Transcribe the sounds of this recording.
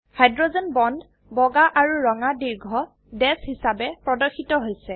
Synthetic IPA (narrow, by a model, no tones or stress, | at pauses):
hajdɹozɔnbɔndʱ | bɔɡaʔaɹuɹɔŋadiɹɡʱɔ | dɛshisabɛpɹɔdɔxitɔɦojsɛ